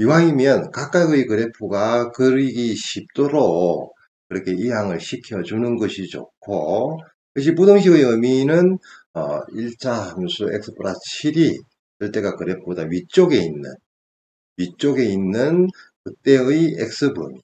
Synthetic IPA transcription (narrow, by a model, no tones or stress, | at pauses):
iwaimjʌnkak͈aɯikɯɾe̞pʰuɡakɯɾiɡiɕʰip̚t͈oɾo | kɯɾʌkʰe̞iɦaŋɯɭɕʰikʰjʌd͡ʑunɯnɡʌɕʰit͡ɕo̰kʰo | kɯɕ̬ʰipudoŋɕ̬ʰibɯɯminɯnʌ̰iɭt͡ɕʰahamsʰue̞̰k̚s͈ʰɯ̥pʰɯɾat͡ɕʰiɾi | t͡ɕɯɭt͈e̞ɡakɯɾe̞pʰodaɥit͡ɕ͈oɡe̞inːɯ̰n | ɥit͡ɕ͈oɡe̞inːɯnkɯt͈e̞ɯiek̚s͈ɯbɯmi